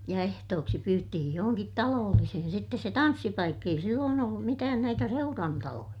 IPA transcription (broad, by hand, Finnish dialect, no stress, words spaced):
jɑ ehtoːksi pyːtːihij johoŋkit tɑloːlːisihin sitːes se tɑnsːipɑikː ei silːoːn olːum mitæːn næitæ seurɑntɑlojɑ